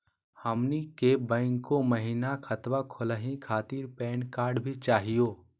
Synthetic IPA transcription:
həmnikebə̃ːŋkːoməɦinakʰət̪wakʰʊləɦĩkʰaːt̪iːɾpɛːnkaːɾɖbʱit͡ʃaːɦijoː

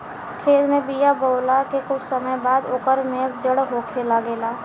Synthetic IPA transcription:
kʰeːd̪mẽbijaboːlakekʊt͡ʃʰsəməjbaːd̪oːkəɾmẽd͡ʒəɽɦoːkʰelaɡeːlaː

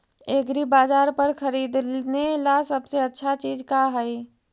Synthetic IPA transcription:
eːkɾibaːd͡ʒaːɾpəɾkʰəɾiːd̪nelasəbseətːʃʰat͡ʃiːd͡ʒkaɦəj

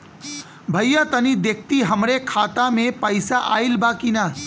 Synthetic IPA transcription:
bʱəjjət̪ənid̪ek̚ʰt̪iɦəmɾekʰaːt̪amẽpəɪsaʔa̰ilbakina

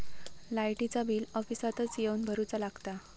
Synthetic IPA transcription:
lajʈit͡sabiːlɔfisat̪ət͡sjeunbʱəɾut͡salaɡt̪a

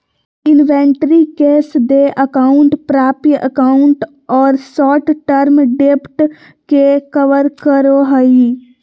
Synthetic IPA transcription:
ɪnʋeɳʈɾikeːsd̪eʔəkaʊɳʈpɾaːpijə̰kaʊɳʈ | ɔːɾsɔːʈʈəɾmɖepʈ | kekəʋəɾkəɾoɦəi

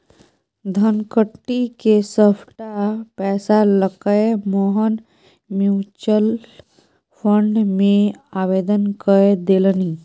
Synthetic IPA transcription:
d̪ʱənkəʈːikesəpʰʈapɛːsaləkəemoːɦən | mjuːt͡ʃəl | pʰə̃ɳɖmẽaːʋeːd̪ənkəed̪eːləniː

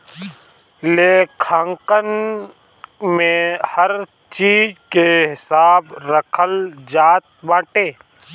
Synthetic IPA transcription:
leːkʰãːŋkən | mẽhɐɾ | t͡ʃiːd͡ʒkeɦɪsaːbɾəkʰəld͡ʒaːt̪̚bãːʈeː

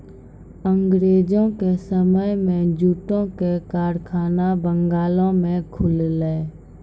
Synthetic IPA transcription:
ə̃ŋɡɾeːd͡ʒõkesəməjmẽd͡ʒuːʈõkekaːɾkʰaːnabə̃ŋɡaːlõmẽkʰʊlleː

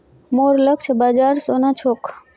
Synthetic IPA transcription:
moːɾləkʃʰbaːd͡ʒaːɾsoːnãːt͡ʃʰoːk

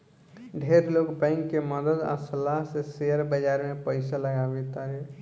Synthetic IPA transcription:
ɖʱeɾloːɡbãɪŋkːeməd̪əd̪a̰səlaɦseseəɾbəd͡ʒaːɾmẽpəɪsaləɡabet̪aɾɛ

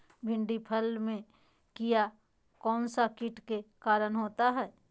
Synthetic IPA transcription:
bʱɪ̃ɳɖipʰəlmẽ | kija | kɔːnsakɪʈkekaːɾənɦoːt̪aɦɛː

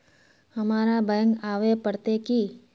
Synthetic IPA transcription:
hɐmaːɾabəjə̃ŋɡaːʋepəɽt̪eki

